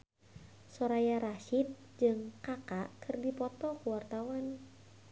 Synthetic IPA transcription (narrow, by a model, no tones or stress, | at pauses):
sɔɾajaɾaʃit̪̚ | d͡ʒɨŋkakakʰɨrdipɔt̪ɔkuwart̪awan